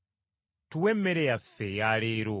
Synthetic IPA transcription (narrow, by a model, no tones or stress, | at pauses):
tʰuwɛmːɛɾɛjafɛjalɛːɾo